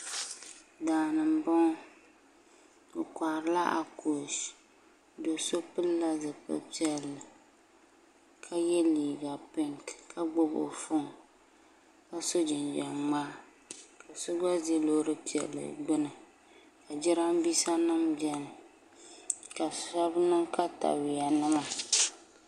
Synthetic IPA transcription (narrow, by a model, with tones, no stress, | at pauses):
daː˨nɨ˨m˨bɔ˦ŋ˦ | o˨kʷa˨ɾɨ˦la˦ʔa̰˨ko˨ʃ | do˨so˦pɨ˦lla˦zɨ˨pɨ̰˦pi˦ɛ˨lːɨ˨ | kʰa˦jɛ˦liː˨ɡa˨pɪ˦ŋkkʰa˦ɡ͡bʊ˦bo̰˨fʊ˦ŋ | ka˦so˦d͡ʒɪ˨nd͡ʒa˨mːaː˦ | ka˨sʊ˦ɡ͡ba˦ze˦loː˦ɾɨ˦pi˨ɛ̰˨lːɨ̰˨ɡ͡bɨ˦nɨ˨ | ka˨d͡ʒɪ˦ɾa˦mbi˦sa˦nɨ˦md͡ʒɛ˦n˨ | ka˨sa˦bnɨ˦ŋka˦ta̰˨wɪ˨ja˨nɨ˦ma˨